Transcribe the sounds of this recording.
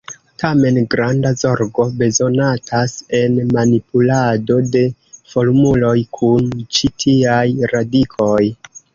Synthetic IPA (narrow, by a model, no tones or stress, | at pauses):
tʰame̞nɡɾandazo̞ɾɡo̞be̞zo̞natʰase̞nmanipulado̞de̞fo̞ɾmulo̞jkʰunt͡ʃitʰiajɾadikʰo̞j